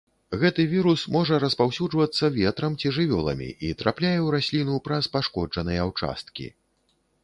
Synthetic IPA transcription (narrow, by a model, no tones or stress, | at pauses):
ɣɛt̪ɨvʲiɾusmɔʐɐɾɐspawsʲud͡ʐvɐt̪sːɐvʲɛt̪ɾɐmt͡sʲiʐɨvʲɔlˠɐ̰mʲḭʔit̪ɾaplʲajɛwɾasʲlʲinupɾɐspaʂkɔd͡ʐɐnɨjɛawt͡ʂa̰st̪̚kʲḭ